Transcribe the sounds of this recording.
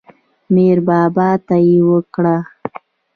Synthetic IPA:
meɾbɑbɑt̪ajewəkɽa

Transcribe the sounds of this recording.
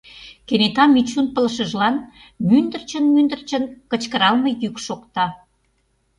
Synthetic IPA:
kenet̪ɑmit͡ɕunpə̆ləʃə̆ʒlɑn | mynd̪ərt͡ɕənmynd̪ə̆rt͡ɕə̆nkə̆t͡ɕkəɾɑlmə̆jykʃokt̪ɑ

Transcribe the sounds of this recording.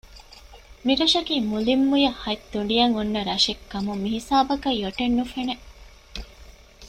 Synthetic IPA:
miɾɐʃɐkiːmulimːujɐhɐjt̪ːuɳ̆ɖijɐŋunːɐɾɐʃekːɐmumiɦisaːbɐkɐjoʈenːufene

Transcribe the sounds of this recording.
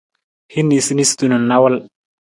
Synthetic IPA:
hinːisinist̪ununːawal

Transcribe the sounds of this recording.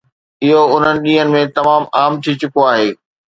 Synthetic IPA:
ɪɦoʊn̤ənɪ̆ɗĩːɦənɪ̆mẽt̪ɐmaːmaːmt̪ʰit͡ɕʊkoaːɦeː

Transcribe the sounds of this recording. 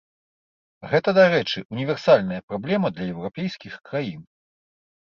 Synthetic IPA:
ɣɛt̪ɐd̪aɾɛt͡ʂɨʔunʲivʲɛrsalʲnɐjɐpɾablʲɛmɐd̪lʲɐjɛwɾapʲɛjsʲkʲixkɾajin

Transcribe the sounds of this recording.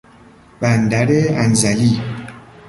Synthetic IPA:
b̥and̪aɾeanzali

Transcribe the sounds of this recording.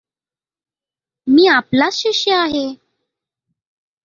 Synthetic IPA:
miːaplat͡sɕiɕjəaɦe

